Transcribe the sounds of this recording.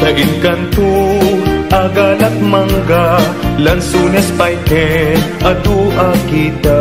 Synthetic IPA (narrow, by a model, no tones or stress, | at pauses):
t̪ɐʔɪnkɐnt̪u | ʔɐɡalɐt̪̚mɐŋɡalɐnsuːnɛspɐjkɛʔɐd̪uʔakid̪a